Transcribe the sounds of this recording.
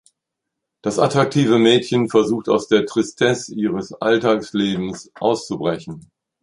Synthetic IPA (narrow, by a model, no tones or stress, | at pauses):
d̥asatʁ̥ak̚tʰiːvəmɛːtçənfɛɐzuːxtaʊsd̥eːɐtʁ̥istʰɛsʔiːʁəsʔa̰ltaːksleːbm̩sʔa̰ʊst͡subʁɛçn̩